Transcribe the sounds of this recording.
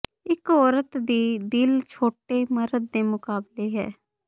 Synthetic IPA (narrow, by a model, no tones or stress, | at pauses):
ɪkɔːɾət̪d̪iːd̪ɪlt͡ʃʰoːʈeːməɾəd̪̚ːeːmʊkaːbleːɦɛ̰ː